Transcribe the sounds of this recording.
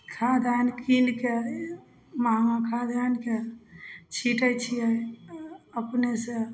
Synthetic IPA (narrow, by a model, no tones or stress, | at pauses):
kʰad̪ʱankinke | maakʰad̪ʱanke | t͡ʃʰiʈəjt͡ʃʰije | əpnese